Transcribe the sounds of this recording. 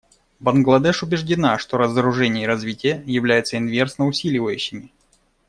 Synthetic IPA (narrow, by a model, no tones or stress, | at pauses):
bənɡlˠɐd̪ɛʂʊbʲɪʐdʲɪnaʂt̪oɾəzəɾʊʐɛnʲɪjəɾɐzvʲitʲɪjəjɪvlʲæjɪt̪səɪnvʲe̞rsnəʊsʲilʲɪvəjʉɕːɪmʲɪ